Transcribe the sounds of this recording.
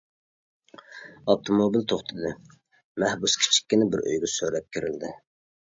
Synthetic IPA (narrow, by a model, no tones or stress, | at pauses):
ɑp̚t̪ʰomobilt̪ʰoχt̪ʰɨd̪ɨ | mæhbuskʲʰi̥t͡ʃʰi̥kʲːinɪbɪɾø̰jɡʲɪsøɾɛp̚kʲʰiɾɪld̪ɪ